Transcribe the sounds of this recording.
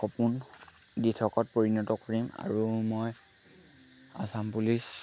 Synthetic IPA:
kɔpun | ditʰɔkɔt̚poɹinɔtɔkoɹima̰ɹumɔj | asampulis

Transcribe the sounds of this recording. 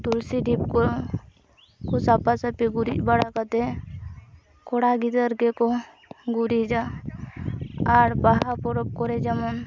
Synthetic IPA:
t̪ulsiɖipko | kosapasəpiɡuɾibaɽakət̪e | kʰoɽaɡit̪əɾɡeko | ɡuɾid͡ʒa | aɾbaɦapoɾəp̚koɾed͡ʒəman

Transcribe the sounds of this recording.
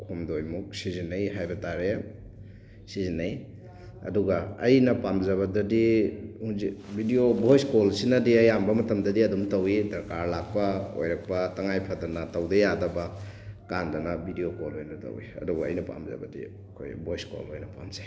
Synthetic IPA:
kʰumdojmuk̚sizinːɐjɦajbɐtaɾe | sizinɐj | ɐ̰duɡɐɐ̰jnɐpamzɐβɐdɐdihuŋzik̚bʱidiobojskolsinɐdiɐjambɐmɐtɐmdɐdiɐdumtɐwidɐɾkaɾlak̚pɐo̰jɾɐk̚pɐtɐŋajpʰadɐnɐtɐwdɐjadɐbɐ | kandɐnɐbʱidijokolojnɐtɐ̰wḭɐ̰duɡɐ̰ːjnɐpa̰mzɐ̰bɐ̰dḭ | kʰo̰jbojsko̰lojnɐpa̰mze

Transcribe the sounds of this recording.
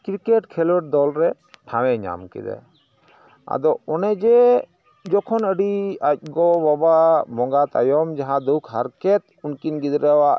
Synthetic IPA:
kɾikeʈkʰɛlwɛʈ̚d̪ɔlɾɛ | ʈʰãwɛɲa̰mkɛ̰d̪ɛ̰ | a̰d̪ɔɔnɛd͡ʒɛ | d͡ʒɔkʰɔnəɖiac̚ˀɡɔbɔbamɔŋɡat̪ajɔmd͡ʒaɦãd̪ukʰɦaɾkɛt̪̚ | unkinɡid̪ɾɛwaʔ

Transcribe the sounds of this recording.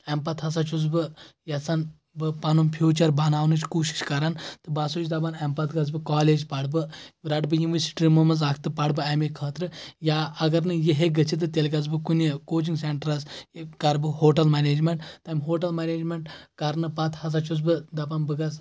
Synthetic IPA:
empɐt̪ʰɦɐs̬at͡ʃʰuzbɨjɐt͡sɐn | bɨpɐnumpʰjuːt͡ʃɐɾbɐnaːwnɨt͡ʃʰkuːʃi̥ʃkɐɾant̪ɨbasut͡ʃʰd̪ɐbanempɐt̪ɡɐz̬bɨkaːleːd͡ʒpɐɖbɨɾɐʈbɨjunʋɐɾsi̥ʈʲiɾimɐmɐzakʰt̪ɨpɐɽbɨɐmikʰəːt̪ɾɨjaːɐɡɐɾnɨjeɦeɡɐt͡ʃʰit̪ɨt̪elɡɐz̬bɨkunikoːt͡ʃiŋɡseɳʈɾɐskɐɾbɨɦoːʈɐlmaneːd͡ʒmʲeɳʈt̪ɐmʲɦoːʈɐlmeneːd͡ʒmeɳʈkɐɾnɨpɐt̪ʰhɐs̬at͡ʃʰuzbɨd̪ɐpɐnbɨɡɐz

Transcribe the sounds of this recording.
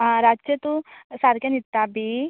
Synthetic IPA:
ɾaːd͡ʒd͡ʒjət̪ũsaɾkanit̪ːabi

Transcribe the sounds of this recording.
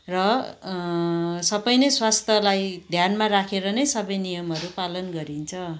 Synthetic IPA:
rʌ | sʌbʌjnʌjswast̪ʰʌlajd̪ʱjanmaɾakʰeɾʌnʌjsʌbʌjnijʌmʌɾupalʌnɡʌɾint͡sʰʌ

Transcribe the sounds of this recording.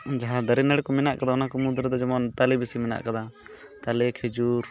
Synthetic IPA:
d͡ʒaɦãd̪əɾinɛɽkɔmɛnaʔkad̪aɔnakɔmud̪ɾəd̪ɔd͡ʒɔmɔnt̪alɛbisimɛna̰ʔkad̪a | t̪alɛkʰɛd͡ʒuɾ

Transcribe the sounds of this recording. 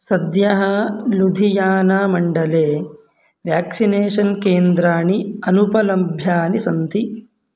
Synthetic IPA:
sɐd̪jɐɦɐlud̪ʱijaːnaːmɐɳɖɐleː | ʋjaːksineːʂɐnkeːnd̪ɾaːɳiɐnupɐlɐbʱjaːnisɐnt̪i

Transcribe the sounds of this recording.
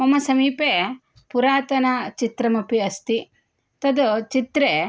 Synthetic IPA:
mɐmɐsɐmiːpeː | puɾaːt̪ɐnɐt͡ʃit̪ɾɐmɐpiɐst̪i | t̪ɐd̪ut͡ʃit̪ɾeː

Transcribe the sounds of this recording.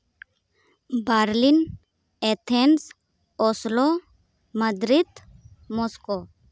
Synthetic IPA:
baɾlin | et̪ʰens | oslo | məd̪ɾit̪mosko

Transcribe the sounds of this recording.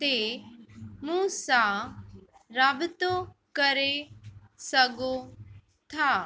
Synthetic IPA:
t̪eː | mũːsa | ɾaːbt̪okɐəɾe | səɡo | t̪ʰaː

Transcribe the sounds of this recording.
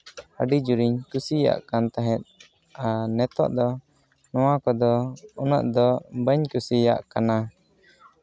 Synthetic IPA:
əɖid͡ʒuɾiɲkusija̰ʔkant̪aɦɛ̃t̪̚ | anɛt̪ɔ̰ʔd̪ɔ | nɔwakɔd̪ɔɔnɔ̰ʔd̪ɔbəɲkusija̰ʔkana

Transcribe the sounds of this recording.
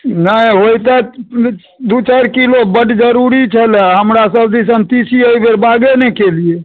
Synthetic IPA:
nəiɦojt̪a | d̪ut͡ʃaɾkilobəʈd͡ʒəɾuɾit͡ʃʰəleɦəmɾasəbd̪is̬ənt̪isiəjbʱeɾbaɡenɛkelie

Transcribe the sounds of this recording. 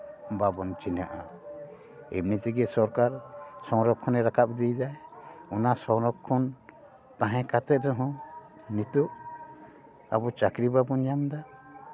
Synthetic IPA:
babɔnt͡ʃina̰ʔa̰ | ɛ̰mnit̪iɡɛsɔɾkaɾsɔ̃wɾɔkkʰːɔnɛɾakʰap̚d̪ijd͡ʒajunasɔ̃ɾɔkʰːɔn | t̪ãɦɛ̃kat̪ɛd̪ɔɦɔ̃ | nit̪uʔ | abɔt͡ʃakɾibabɔnjamd̪a

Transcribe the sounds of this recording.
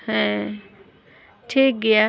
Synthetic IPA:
ɦɛ̃ | ʈʰiːk̚ɡɐja

